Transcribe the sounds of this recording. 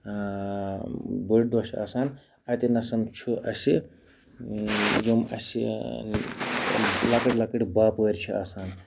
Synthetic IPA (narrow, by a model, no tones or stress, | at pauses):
bəɖ̚d̪oːsia̰ːsaːn | ɐt̪inɐsɐmt͡ʃʰuʔɐsi | jomɐ̰sḭ | lɐkɐʈʲlɐkəʈbaːpəɾʲt͡ʃʰia̰ːsaːn